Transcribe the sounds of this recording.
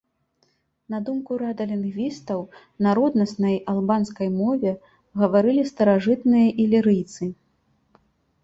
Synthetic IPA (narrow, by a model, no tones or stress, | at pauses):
nɐd̪umkuɾad̪ɐlʲinɣvʲist̪ɐw | naɾɔd̪nɐsnɐjalˠbanskɐjmɔvʲɛ | ɣɐvaɾɨlʲist̪ɐɾaʐɨt̪nɨjɐʔilʲiɾɨjt̪sɨ